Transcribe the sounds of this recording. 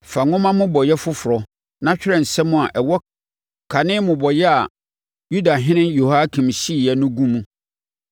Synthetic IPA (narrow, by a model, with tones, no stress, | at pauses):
fa˨ŋʊ̃˦mã˦mʊ̃˦bɔ˨jɛ˦fʊ˦fʊ˨ɾɔ˨ | nã˦t͡ɕᶣɪ˦ɾɛ̃˨n̩˨sɛ˦mʊ̃˦a˨ʔɛ˨wɔ˦ | kʰa˨nɪ̃˦mʊ̃˨bɔ˨jɛ˦a˨ | ju˦da˨ɦɪ̃˦nɪ̃˦njo˨ha˦kʰĩ˨m˨ɕi˦˨jɛ˨nʊ̃˦ɡũ˦mũ˦